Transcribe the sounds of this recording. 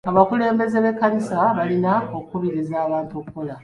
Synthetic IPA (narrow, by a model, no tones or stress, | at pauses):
aβakule̞ːmbe̞ze̞βe̞kːanisaβalinao̞kuβiɾizaːβaːntuokuko̞la